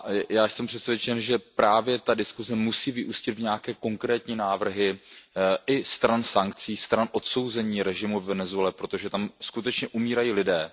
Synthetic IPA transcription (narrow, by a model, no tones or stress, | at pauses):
jaːjsɛmpr̥ɛt̪svjɛt͡ʃɛnʒɛpɾaːvjɛt̪adɪskuzɛmusiːvɪʔuscɪt̪vɲakɛːko̞ŋkɾɛːt̪ɲiːnaːvr̩ɦɪ | ʔɪst̪ɾansaŋkt͡siːst̪ɾanʔo̞t̪so̞wzɛɲiːɾɛʒɪmuvvɛnɛzuɛlɛpɾo̞t̪o̞ʒɛt̪amskut̪ɛt͡ʃɲɛʔumiːɾajiːlɪdɛː